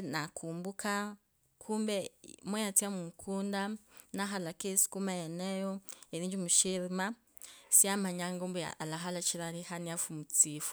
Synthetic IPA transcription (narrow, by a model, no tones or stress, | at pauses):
nakʰuːmbukʰa | kʰumbemejat͡siamukʰuːndanaɦalakesi̥kumajenejoeɾiːɲd͡ʒimuʃiɾima | siamaɲaŋɡombḛa̰laɦalat͡ʃiɾaɾihaniafumut͡sifu̥